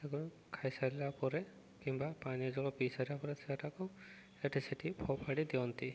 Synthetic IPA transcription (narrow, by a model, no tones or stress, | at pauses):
eɡɔ | kʰajsaɾilapɔɾe | kimbapaniɔd͡ʒɔɭɔpisaɾibapɔɾesɛʈaku | eʈɾisiʈipʰɔpʰaɽid̪iɔnt̪i